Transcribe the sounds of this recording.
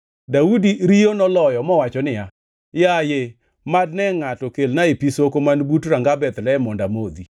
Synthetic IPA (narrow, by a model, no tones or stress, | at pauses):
daudiɾijonɔlɔjɔmɔwat͡ʃɔnɪja | jaje | madnɛŋatɔkelnaepisokomanbutɾaŋɡabɛt̪lɛɛmɔndamod̪i